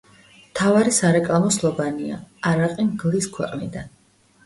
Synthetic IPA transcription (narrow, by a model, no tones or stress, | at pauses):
mt̪ʰavaɾisaɾɛkʼlˠamɔslˠɔvaniaaɾaqʼimɡlˠiskʰwɛ̰qʼnḭd̪an